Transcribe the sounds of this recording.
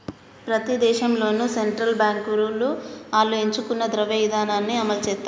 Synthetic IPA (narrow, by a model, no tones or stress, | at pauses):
pɾɐt̪id̪ɛːʃɐmlo̞ːnuseɳʈɾɐlbjaːŋkuɾuluaːlːue̞ɲt͡ʃukunːɐd̪ɾɐʋeʋid̪aːnaːnːiɐmɐlt͡ʃɛːt̪ːa